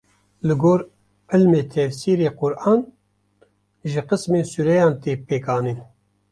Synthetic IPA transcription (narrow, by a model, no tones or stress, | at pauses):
lɨɡoːɾ | ʔɪlmeːt̪ʰɛvsiːɾeːqʊɾʔɑːn | ʒɪqɨsmeːnsuɾɛjɑːnt̪eːpeːkɑːniːn